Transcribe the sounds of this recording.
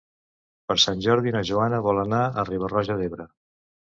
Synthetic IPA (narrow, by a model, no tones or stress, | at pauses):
pəɾsanʲʒɔɾðinəʒuanəβɔlˠənaəriβərɔʒəðeβɾə